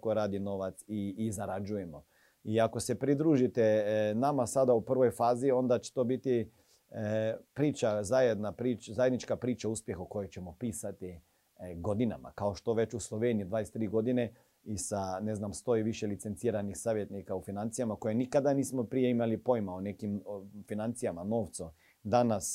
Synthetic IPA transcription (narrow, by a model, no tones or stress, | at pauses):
koɾaːd̪ino̞ʋat̪siːzaɾad͡ʒuje̞mo̞ | iako̞se̞pɾid̪ɾuːʒit̪enamasad̪aupr̩ʋo̞jfaːzio̞nd̪at͡ʃe̥t̪o̞bit̪i | pɾiːt͡ʃazajed̪napɾiːt͡ʃzajed̪nit͡ʃkapɾiːt͡ʃauːspjexoko̞jojt͡ʃemo̞piːsat̪i | ɡod̪ina̰ma̰kao̞ʃt̪o̞ʋe̞t͡ʃuslˠo̞ʋeːnijid̪ʋaːjest̪ɾiːɡo̞d̪ine | isane̞znamst̪o̞iʋiʃelit̪se̞nt̪siːɾanixsaːʋje̞t̪nikaufinant̪sijamako̞jenikad̪aniːsmopɾije̞imalipo̞jmaone̞kimfinant̪sijamano̞ːʋt̪su | d̪anas